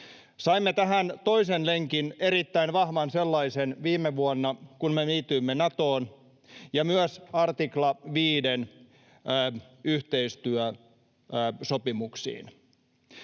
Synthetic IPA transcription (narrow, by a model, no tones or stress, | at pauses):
sɑimːet̪æɦænt̪o̞isenleŋkine̞ɾit̪ːæinʋɑhʋɑnselːɑisenʋiːmːeʋuonːɑkunmeniːt̪yimːenɑt̪oːn | jɑmyøsɑrt̪iklɑʋiːdenː | yht̪eist̪yœ | sopimuksḭːn